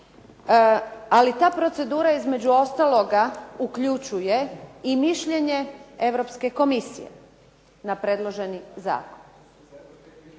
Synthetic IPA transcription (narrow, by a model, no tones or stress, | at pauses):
alit̪aːpɾo̞t̪se̞d̪uːɾaizme̞d͡ʑuo̞st̪alˠo̞ɡaukʎut͡ʃuje̞imiʃʎe̞ɲe̞e̞ʋɾo̞pske̞ko̞misḭje̞̰ | napɾed̪lˠo̞ʒe̞niza̰ːkon